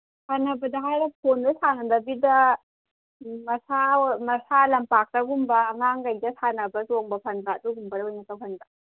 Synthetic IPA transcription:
sʰanɐbɐdɐɦajɾɐp̚ʰondɐsʰanɐdɐbidɐ | mɐsamɐsalɐmpak̚tɐɡumbɐːŋaŋɡɐjdɐsʰanɐbɐzoŋbɐpʰɐnbatuɡumbɐdɐwajnɐtawpʰɐnba

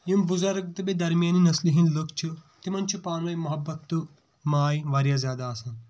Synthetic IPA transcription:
jumbuzɐɾk̚t̪ɨbed̪ɐɾmijaːninɐsliɦinlokʰt͡ʃʰut̪imɐnʲt͡ʃʰupaːnʋɐjmɐɦɐbːɐt̪ːu | maːjʋaːɾjaːzjaːd̪aːsɐːn

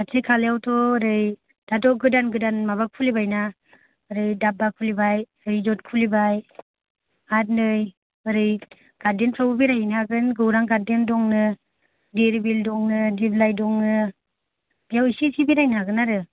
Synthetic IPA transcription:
atʰikʰaljawtʰɔɯɾɯj | d̥adɔɡɯdanɡɯdanmaβakʰulibajna | ɯɾɯjdab̚akʰulibaj | ɯɾɯjd͡ʒɔt̚kʰulibaj | at̚nɯj | ɯɾɯj | ɡ̥adenpʰawubiɾajinaɡɯnɡɯwɾaŋɡaɾdendɔŋnɯ | deɾibildɔŋnɯdiblajdɔŋnɯ | bijawisisibiɾajnɦaɡɯnaɾɯ

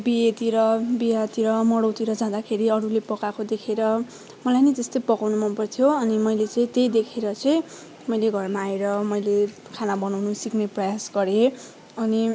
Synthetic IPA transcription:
bijet̪iɾʌbijat̪iɾʌmʌɽowt̪iɾʌd͡zãd̪akʰeɾiʌɾulepʌkakod̪ekʰeɾʌ | mʌlajnʌjt̪est̪ojpʌkawnumʌnpʌrt̪ʰjoʌnimʌjlet͡sʌĩt̪ejd̪ekʰeɾʌt͡sʌj̃ | mʌjleɡʱʌrmaːeɾʌmʌjle | kʰanabʌnawnusikneprʌjasɡʌɾe | ʌni

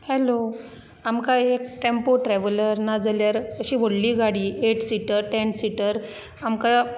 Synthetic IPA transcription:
hɛlo | amkaekʈempoʈɾɛʋələɾnad͡zaljaɾəɕiːʋʱoɽliːɡaɽiːeʈsiʈəɾʈɛ̃ɳɖsiʈəɾ | amka

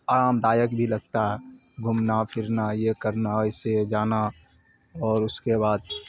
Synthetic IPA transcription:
aːɾaːmd̪aːjəkbʱilɐɡ̚t̪aɦɛ | ɡʱʊmnapʰɪɾnajekəɾnaɛɪsed͡ʒaːna | ɔːɾʊskebaːd̪

